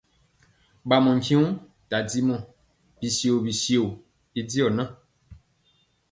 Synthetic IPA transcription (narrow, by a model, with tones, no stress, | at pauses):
ɓa˨mɔ̃˨ŋ̩˨kĩ˦ũ˦ | ta˨d͡zi˦mɔ̃˨ | bi˨si˨o˨bi˨si˨o˨ | i˦d͡zi˦ɔ˨nã˦